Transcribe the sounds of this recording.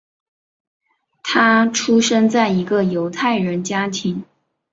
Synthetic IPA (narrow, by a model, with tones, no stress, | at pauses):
t̪ʰa˥ʈ͡ʂʰu˥ʂə˥nt͡sa˥˩ɪi˧˥ɡə˧jo˧˥ʊt̪ʰa˥˩ɪɻə˧˥nt͡ɕja˥t̪ʰi˧˥ŋ